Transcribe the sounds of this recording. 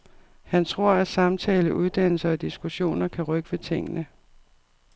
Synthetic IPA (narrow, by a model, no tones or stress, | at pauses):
hænt͡sʰʁo̝ɐ̰æ̥sɑ̈mt͡sʰɛːləʔuð̞ˠd̥ænl̩sɐɒd̥isɡ̥uɕo̝̰ːnɐkʰæʁœɡ̥əʋe̝t͡sʰe̝ŋ̰ənə